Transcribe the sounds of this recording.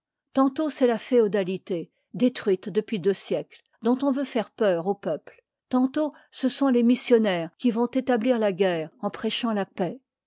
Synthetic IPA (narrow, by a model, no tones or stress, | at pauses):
t̪ɑ̃t̪osɛlafeod̪alit̪e | d̪et̪χɥit̪d̪əpɥid̪øsjɛkl | d̪ɔ̃t̪ɔ̃vøfɛʁpœʁopœpl | t̪ɑ̃t̪o | səsɔ̃lemisjɔnɛːʁkʲivɔ̃t̪et̪abliʁlaɡʲɛːʁɑ̃pχɛʃɑ̃lapɛ